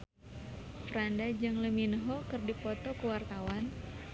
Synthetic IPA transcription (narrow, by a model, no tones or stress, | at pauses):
pɾandad͡ʒɨŋləminɦɔkɨrdipɔt̪ɔkəwart̪awan